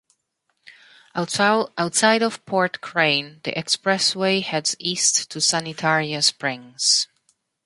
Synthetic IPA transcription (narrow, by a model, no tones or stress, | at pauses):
aʊtsaɪɾɔv̥pʰɔɹtkʰɹ̥ẽɪ̃nðḭʔɛkspɹɛsweɪhɛdzistʰːusænitʰɛɹiɨ̃spɹɪ̃ŋz̥